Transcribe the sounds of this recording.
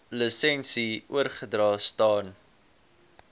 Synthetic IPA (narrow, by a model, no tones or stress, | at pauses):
ləsɛnsiṵərχədrɑːstɑːn